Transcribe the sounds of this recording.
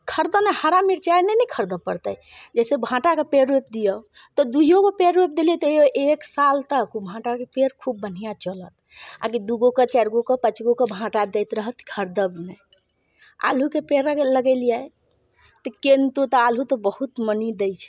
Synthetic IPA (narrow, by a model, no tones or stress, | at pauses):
kʰəɾd̪ənɛhəɾamiɾt͡ʃanɛnɛkʰəɾd̪əpəɾt̪əj | d͡ʒɛsebʱãʈakepeɾep̚d̪ijə | t̪ɔd̪uijokepeɾːep̚d̪eliet̪ɔoʔeksalt̪əkubʱãʈakepeɾkʰubːən̤ijat͡ʃələt̪ | a̰kid̪uɡokət͡ʃɛɾɡokɔpət͡ʃɡokebʱãʈad̪ɛjt̪ɾəɦət̪kʰəɾd̪əbnɛj | a̰lɦukepeɾləɡɛɪlijaj | t̪ɔkent̪ot̪ɔalɦut̪ɔbəɦut̪mənid̪ejt͡ʃʰɛ̥